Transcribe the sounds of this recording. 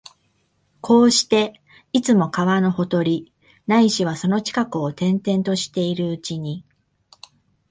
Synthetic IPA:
kʰo̞ːɕi̥t̪e̞ | it͡sɨmo̞kaβano̞ho̞t̪o̞ɾʲi | naiɕiβ̞aso̞no̞t͡ɕi̥kakɯ̟o̞t̪ẽ̞nt̪ẽ̞nt̪o̞ɕi̥t̪e̞iɾɯ̟ɯt͡ɕiɲ̟i

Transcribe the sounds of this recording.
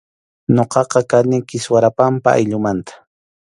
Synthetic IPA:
ɲoqɑqɑkanɪkɪswaɾapampa̰a̰jʎʊmant̪ḁ

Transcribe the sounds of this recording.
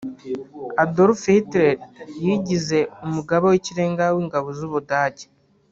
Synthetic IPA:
adoɾfitɾeɾjiɟize̞umuɡaβoweciɾe̞ːŋɡawiːŋɡaβozuβudaːɟe̥

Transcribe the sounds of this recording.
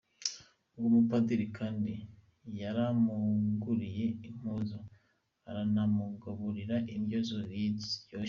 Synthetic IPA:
ɡumupadiɾikʰaːndi | jaɾamuŋɡuɾije̞im̥huzo | a̰ɾanamuɡaβuɾiɾaʔimjozoɾidjo

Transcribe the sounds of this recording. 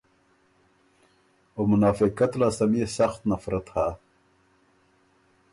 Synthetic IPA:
omʊnaːfɪkɐt̪laːsɐmijesɐxt̪nɐfɾɐt̪ha

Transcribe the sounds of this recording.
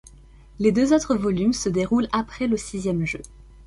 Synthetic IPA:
led̪øzot̪χəvɔlymsəd̪eʁulapχɛləsizjɛmʒø

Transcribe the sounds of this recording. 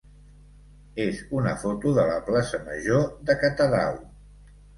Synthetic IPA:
ezunəfot̪uðələplasəmə̰ʒoðəkət̪əða̰w

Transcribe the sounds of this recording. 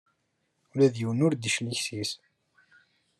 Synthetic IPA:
ulæðjiwənʊɾd̪əʃliçsis

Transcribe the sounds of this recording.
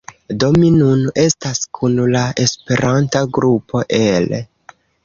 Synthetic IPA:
do̞minune̞staskʰunlae̞spe̞ɾʔantaɡɾupo̞ʔe̞l

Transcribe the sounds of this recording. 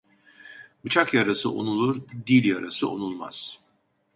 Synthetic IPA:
bɯt͡ʃʰakjaɾasɯʔo̰nulˠuɾd̪ilʲjaɾasɯo̰nulˠma̰z̥

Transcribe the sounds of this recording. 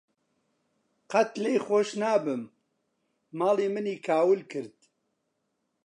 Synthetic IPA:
qɐt̪lejxoːʃnaːbɨmː | aːliːmɨniːkʰaːwɨlkʰɨɾd̪̥̚

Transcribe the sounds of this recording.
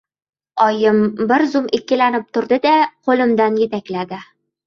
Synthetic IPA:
ɒjɪmbɪɾzʊmɪkʲːɪlanɪp̚t̪ʰʊɾd̪ɪd̪aqʰolˠɪmd̪anjet̪akʲlad̪ɪ

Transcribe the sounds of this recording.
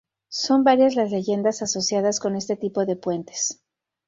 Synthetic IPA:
so̞mbaɾjazlazle̞ʝe̞nd̪asaso̞sjaðasko̞ne̞st̪e̞t̪ipo̞ðepwe̞nt̪e̥s

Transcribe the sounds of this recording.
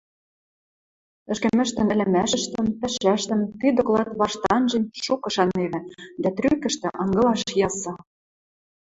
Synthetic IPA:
ɘ̆ʃkɘ̆mɘ̆ʃt̪ɘ̆nɘ̆lʲɘ̆mæʃə̆ʃt̪ə̆mpɘ̆ʃæʃt̪ɘ̆mt̪yd̪ŏklɑt̪βɑʃt̪ɑnʒĕnʲʃukɤ̆ʃɑneβɘ̆d̪æt̪ɾykɘ̆ʃt̪ɘ̆ʔɤ̆ŋɡɤ̆lɑʃjɑsɑ

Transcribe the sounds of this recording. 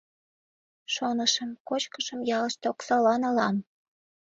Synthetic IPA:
ʃonəʃəmkot͡ɕkəʃəmjɑləʃt̪eoksɑlɑnəlɑm

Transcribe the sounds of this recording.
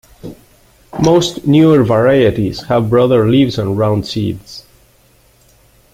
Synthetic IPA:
moʊstnjuəɹvəɹaɪɨɾiz̥həvbɹʌðə˞livzə̃nɹãʊ̃ndsḭdz̥

